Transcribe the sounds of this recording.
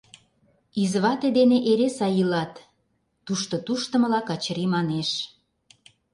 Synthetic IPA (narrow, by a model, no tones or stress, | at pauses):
izβɑt̪ed̪eneʔeɾesɑjilɑt̪ː | uʃt̪ot̪uʃt̪ə̆mə̆lɑkɑt͡ɕɾimɑneʃ